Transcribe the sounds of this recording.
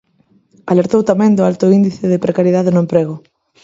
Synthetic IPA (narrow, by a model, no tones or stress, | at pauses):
aleɾt̪owt̪amɛ̃ŋd̪ʊalt̪ʊind̪iθɪðɪpɾekaɾjeð̞aðɪnʊempɾeɣʊ